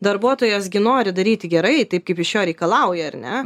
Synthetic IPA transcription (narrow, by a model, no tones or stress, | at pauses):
d̪ɐɾbuɔt̪oːjɛsɡʲɪnoːɾʲɪd̪ɐɾʲiːt̪ʲɪɡʲɛɾɐɪt̪ɐɪp̚kɐɪpɪʃjoːɾʲɛɪkɐlˠɐʊjɛɐrʲnʲɛ